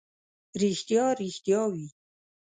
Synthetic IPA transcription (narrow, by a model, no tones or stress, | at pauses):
ɾixt̪jɑːɾixt̪jɑːwi